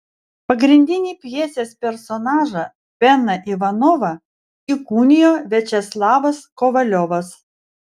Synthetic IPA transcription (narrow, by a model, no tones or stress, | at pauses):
pɐɡɾʲɪnʲd̪ʲɪnʲiːpʲjiɛsʲeːspʲɛɾsɔnɑːʒɐ | pʲɛnːɐʔiʋɐnɔʋɐ | ɪkuːnʲɪjoːʋʲɛt͡ʃʲɛslˠɑːʋɐskɔʋɐlʲɔʋɐs